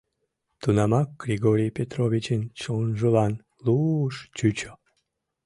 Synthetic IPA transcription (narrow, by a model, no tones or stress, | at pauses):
t̪unɑmɑk̚ɡrʲiɣoɾʲijpʲet̪roβʲit͡ɕent͡ɕonʒəlɑn | luʃt͡ɕyt͡ɕo̥